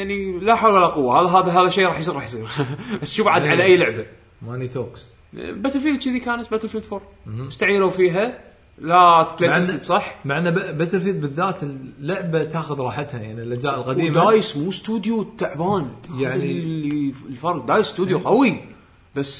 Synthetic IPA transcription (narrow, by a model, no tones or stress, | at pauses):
jaʕnilaħawlwalaqʊwːaaːðaɦaːðaɦaːðaʃeːɾˤɑːħjsˤiːɾˤɑːħjs̬ˤiːɾbasːʃuːbaʕad̪ʕalaʔajːlʊʕba | manit̪oːks | bat̪əlfiːlt͡ʃiðikaːnat̪̚bat̪lfuːt̪foɾɪst̪aʕiːɾafiːɦa | laplej̪ət̪sˤɑħːmaʕnːabat̪fiːlbɪðːaːt̪əlːʊʕbat̪aːxʊðɾˤɑːħat̪hajaʕnilʔad͡ʒaːʔlɣad̪iːmaːjɪsmust̪uːd̪jut̪ːaʕbaːnjaʕnililfɑɾˤq̚d̪aːjɪsːt̪uːd̪juqawi | b̥asː